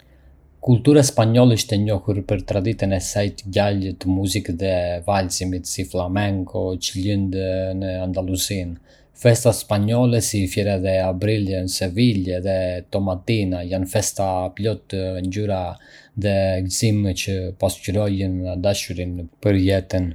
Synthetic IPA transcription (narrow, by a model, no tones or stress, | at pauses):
kulˠt̪uɾaspaɲɔlɛiʃt̪ɛɲɔhuɾpəɾt̪ɾad̪it̪ənɛsajt̪ɟalət̪muzikðɛvalsimit̪siflˠamɛŋkʰɔt͡ʃəlind̪nəand̪alˠuzin | fɛst̪aspaɲɔlɛsifjɛɾɛðɛabɾilənsɛvilɛðɛt̪ɔmat̪inajanfɛst̪aːplɔt̪ɲd͡ʑyɾaðɛlzimt͡ʃəpascyɾɔjənd̪aʃuɾimpəɾjɛt̪ən